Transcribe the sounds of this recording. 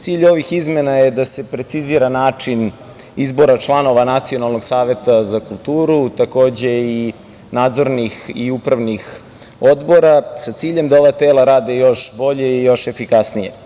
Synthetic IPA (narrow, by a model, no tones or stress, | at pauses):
t̪siːʎo̞ʋixizme̞naje̞d̪ase̞pɾe̞t̪siziːɾanaːt͡ʂin | izbo̞ɾat͡ʃlˠano̞ʋanat̪sio̞nalˠno̞ɡsaːʋe̞t̪azakulˠt̪uːɾut̪ako̞ːd͡ʑe̞i | naːd̪zo̞ɾnixiupɾaʋnix | o̞d̪bo̞ɾasat̪siːʎe̞md̪ao̞ʋat̪eːlˠaɾaːd̪ejo̞ʃbo̞ʎe̞ijo̞ʃe̞fikasnije